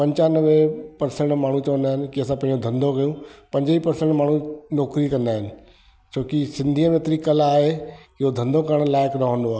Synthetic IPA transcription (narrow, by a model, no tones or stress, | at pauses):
pɐ̃ɲt͡ɕanɐʋepɐɾsẽɳʈmaːɳ̤ũt͡ɕɐʋə̃nd̪aːɦɪnɪ̆kiɐsãpɐ̃ɦɪ̃ɲd͡ʑod̪ʱɐ̃nd̪ʱokɐjũpɐ̃ɲd͡ʑipɐɾsẽɳʈmaːɳ̤ũnɔːkɾikɐ̃nd̪aːɦɪnɪ̆ | t͡ɕʰoːkisɪ̃nd̪ʱiə̃mət̪ɾikɐlaːɦeɪɦod̪ʱɐ̃nd̪ʱokɐɾəɽ̃laːɪkɾɐɦʋə̃nd̪oaː